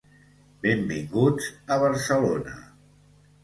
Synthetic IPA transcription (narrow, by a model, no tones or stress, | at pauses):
bembiŋɡud͡zəβəɾsəlonə̰